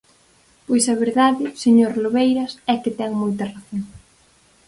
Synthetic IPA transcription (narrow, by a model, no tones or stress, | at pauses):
pojsɐβ̞eɾðaðɪseɲoɾloβejɾɐsɛkɪt̪ɛŋmojt̪ɐraθoŋ